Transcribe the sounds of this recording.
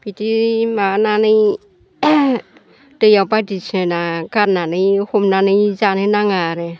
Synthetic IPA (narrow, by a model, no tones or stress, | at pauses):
pitimananɯj | d̥ɯjawpadisʰenakaɾnanɯjhomnanɯjzanɯnaŋaɾɛ